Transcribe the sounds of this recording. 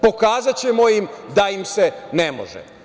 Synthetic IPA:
po̞kaːzat͡ɕe̞mo̞jimd̪aimsenemo̰ʒɛ̰

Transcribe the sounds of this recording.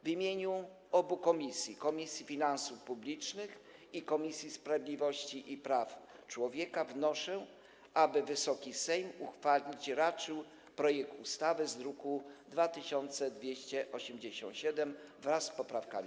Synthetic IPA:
vʲimʲjeɲu | ɔbukɔmʲisʲjikɔmʲisʲjifʲinansufpublʲit͡ʂnɘxikɔmʲisʲjispɾavʲd̪lʲivɔɕt͡ɕiʔipɾaft͡ʂwɔvʲjɛkavnɔʂɛ | abɘvɘsɔkʲisɛjmuxfalʲit͡ɕɾat͡ʂɘw | pɾɔjɛk̚t̪ust̪avɘzɾukud̪vat̪ɘɕɔnt̪sɛd̪vʲjeɕt͡ɕɛʔɔɕɛmd͡ʑeɕɔ̰̃ñɕɛd̪ɛmvɾasːpɔpɾafka̰mʲi

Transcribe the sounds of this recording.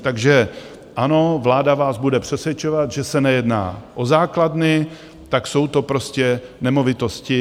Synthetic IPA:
t̪aɡʒɛ | ʔano̞vlaːdavaːzbudɛpr̝̥ɛsvʲjɛt͡ʃo̞vat̪ʒɛsɛnɛjɛdna̰ːʔozaːkladnɪ | t̪akso̞wt̪o̞pɾo̞scɛnɛmo̞vɪt̪o̞scɪ

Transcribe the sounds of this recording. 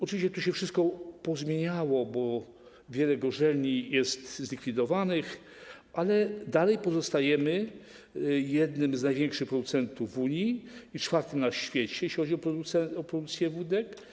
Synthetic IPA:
ɔtɨvʲiɕt͡ɕɛt̪uɕɛfʂɘst̪̚kɔpɔzmʲjeɲawɔbɔ | vʲjɛlɛɡɔʐɛlɲijɛst̪zlʲikʲfʲid̪ɔvanɘx | ʔalɛd̪alɛjpɔzɔst̪ajɛmɘ | jɛd̪nɘmznajvʲjɛŋkʂɘxpɾɔd̪ut̪sɛnt̪uvːuɲiit͡ʂfaɾt̪ɘmnaɕfʲjɛt͡ɕɛjɛɕlʲixɔd͡ʑiɔpɾɔd̪usɛɔpɾɔd̪ukt̪sʲjɛvud̪ɛk

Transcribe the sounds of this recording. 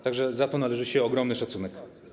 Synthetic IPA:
t̪aɡʐɛzat̪ɔnalɛʐɘɕɛɔɡɾɔmnɘʂat̪sunɛk

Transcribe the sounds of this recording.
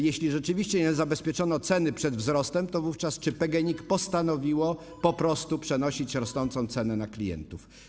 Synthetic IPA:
jɛɕlʲiʐɛt͡ʂɘvʲiɕt͡ɕɛɲɛzabɛspʲjɛt͡ʂɔnɔt̪sɛnɘpʂɛd̪vzɾɔst̪ɛmt̪ɔvuft͡ʂast͡ʂɘpɛɡɛɲikpɔst̪anɔvʲiwɔ | pɔpɾɔst̪upʂɛnɔɕit͡ɕɾɔsnɔnt̪sɔ̃w̃t̪sɛnɛnaklʲijɛ̰nt̪uf

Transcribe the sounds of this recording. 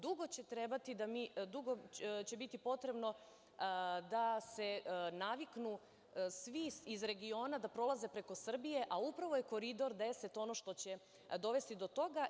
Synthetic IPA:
d̪uɡo̞t͡ɕe̞t̪ɾe̞bat̪id̪amid̪uɡot͡ɕe̞bit̪ipo̞t̪ɾe̞bno̞ | d̪ase̞naʋiknu | sʋiizɾe̞ɡio̞ːnad̪apɾo̞laze̞pɾeko̞sr̩bije̞ʔaupɾaʋo̞je̞ko̞ɾid̪o̞ɾd̪e̞se̞t̪o̞no̞ʃt̪o̞t͡ɕe̞ | d̪o̞ʋe̞st̪id̪o̞t̪o̞ɡa

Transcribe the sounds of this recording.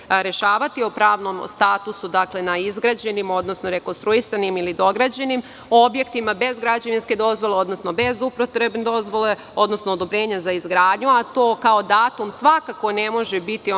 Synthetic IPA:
ɾe̞ʃaːʋat̪iopɾaːʋno̞mst̪aːt̪usud̪akle̞naizɡɾad͡ʑe̞nimo̞d̪nosno̞ɾe̞konst̪ɾuisanimilid̪o̞ɡɾad͡ʑe̞nim | o̞bje̞kt̪imabe̞zɡɾad͡ʑaʋinske̞d̪o̞zʋo̞leo̞d̪nosno̞be̞zupɾot̪ɾebned̪o̞zʋo̞le | o̞d̪no̞snood̪obɾe̞ːɲazaizɡɾaːd̪ɲuat̪o̞ːkao̞d̪aːt̪umsʋakako̞ne̞mo̞ʒebit̪i

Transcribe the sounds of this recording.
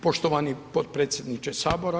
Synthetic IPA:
poʃt̪oʋanipot̪̚pɾet̪sʲjed̪nit͡ʃesaːboɾa

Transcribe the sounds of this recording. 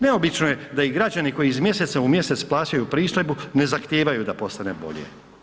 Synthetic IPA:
neo̞bit͡ʃnojed̪aiɡɾad͡ʑaniko̞jiːzmje̞se̞t̪saumje̞se̞t̪splˠaːt͡ʃajupɾiːso̞jbune̞zaxt̪jeːʋajud̪apo̞st̪ane̞bo̞̰ʎjḛ

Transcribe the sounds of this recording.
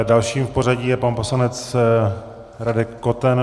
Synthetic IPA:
dalʃiːmfpo̞ɾaɟiːjɛpanpo̞slanɛt͡s | ɾadɪkːot̪ɛn

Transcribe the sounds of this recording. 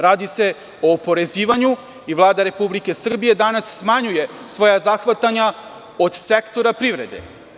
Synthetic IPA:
ɾaːd̪ise̞ | o̞ːpo̞ɾe̞ziːʋaɲu | iʋlˠaːd̪aɾe̞publike̞sr̩bije̞d̪anasːmaɲuje̞sʋo̞jazaxʋat̪aɲa | o̞d̪sekt̪o̞ɾapɾiʋɾe̞d̪ḛ

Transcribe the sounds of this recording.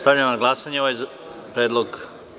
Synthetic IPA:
st̪avʎajmnaɡlˠasaɲeoʋaj | pɾeːd̪loɡ

